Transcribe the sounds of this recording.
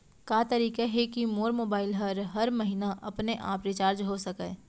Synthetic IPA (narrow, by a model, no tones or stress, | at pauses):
kaːt̪ɐɾiːkaɦekimoːɾmoːbaːɪlɦɐɾɦɐɾmɐɦiːnaʔɐpneʔa̰ːpɾɪt͡ʃaːɾd͡ʒɦosɐkeː